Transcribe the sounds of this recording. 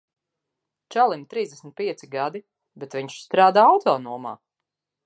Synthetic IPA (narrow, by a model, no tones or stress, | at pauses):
t͡ʃalˠimt̪ɾiːzd̪ɛsmit̪̚pʲiɛsiɡad̪i | bɛt̪viɲʃst̪ɾaːd̪aːawt̪ɔːnuɔma̰ː